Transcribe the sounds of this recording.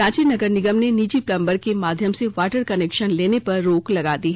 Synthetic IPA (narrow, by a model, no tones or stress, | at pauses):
ɾãːt͡ʃinɐɡəɾnɪɡəmneniːt͡ʃiplɐ̃mbəɾkemaːd̪ʱjəmseʋaːʈəɾkɐneːkʃənleːnepɐɾːoːklɐɡaːd̪iɦɛ